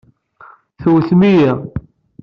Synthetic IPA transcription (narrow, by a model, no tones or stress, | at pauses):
θwθmijæ